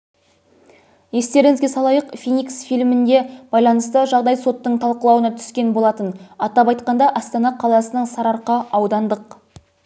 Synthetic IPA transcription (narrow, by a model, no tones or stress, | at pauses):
je̞st̪e̞ɾɪŋɪzɡʲesɑlˠɑjəqfʲijnʲiksfijlmɪnd̪e̞b̥ɑjlˠɑnəst̪əʒɑʁd̪ɑjso̞t̪ːəɴt̪ʰɑlˠqəlˠɑwənɑt̪ʰʏ̥skʲe̞nbo̞lˠɑt̪ənɑt̪ɑpɑjt̪qɑnd̪ɑʔɑst̪ɑnɑqʰɑlˠɑsənəɴsɑɾɑɾqəɑwd̪ɑnd̪əq